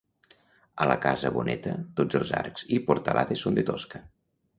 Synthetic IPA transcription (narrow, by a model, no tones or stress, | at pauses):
ələkazəβonʔɛt̪ət̪od͡zəlˠza̰ɾkz̥ipoɾt̪əlʔaðesond̪et̪oskə